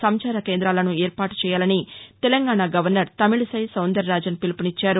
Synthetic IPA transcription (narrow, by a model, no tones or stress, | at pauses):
sɐmt͡ʃaːɾɐkeːnd̪ɾaːlɐnueːɾpaːʈu̥t͡ʃɛːjaːlɐnit̪ɛlɐŋɡaːɳaɡɐʋɐɾnɐɾt̪ɐmiɭisɐjsɐwnd̪ɐɾːaːd͡ʒɐnpilupunit͡ʃːaːɾu